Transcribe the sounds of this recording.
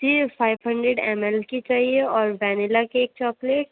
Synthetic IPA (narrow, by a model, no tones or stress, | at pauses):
d͡ʒifʰaːɪbɦə̃ɳɖɾeɖɛ̰ːmɛlkit͡ʃaːɦieɔːɾbɛːnɪlakeeːk̚t͡ʃɔːkleʈ̚